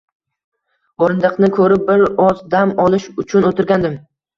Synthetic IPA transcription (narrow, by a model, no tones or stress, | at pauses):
ɒɾɪnd̪ɨqnɪkʰɵɾɪp̚bɪɾɒzd̪amɒlˠɪʃʊt͡ʃʰʊnot̪ʰɪɾɡʲand̪ɪm